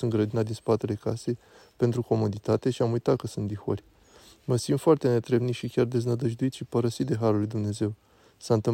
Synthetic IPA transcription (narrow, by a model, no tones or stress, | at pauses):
unɡɾəd̪inad̪inspat̪e̞le̞kase̞j | pe̞nt̪ɾuko̞mo̞d̪it̪at̪e̞ʃiamujt̪at̪̚kəsunt̪d̪ixo̰rʲ | məsimd̪foart̪e̞ne̞t̪ɾe̞mnit̪ʃikʲard̪e̞znəd̪əʒd̪uit̪ʃipəɾəsit̪̚d̪e̞ɦaɾulujd̪umne̞ze̞w | sant̪ɨ